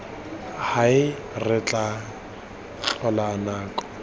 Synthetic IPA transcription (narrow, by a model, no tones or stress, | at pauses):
haɪ | rɪt͡ɬʼa | t͡ɬɔlaːnaːkʼɔ̥